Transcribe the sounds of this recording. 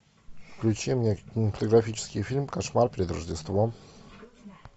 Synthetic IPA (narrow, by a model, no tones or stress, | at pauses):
fklʲut͡ɕimɲɛkʲinɛfat̪ɔɡɾafʲit͡ʂskʲifʲilmkaʂmaɾpɾʲɛd̪ɾɔʐd͡ʑɛst̪vɔ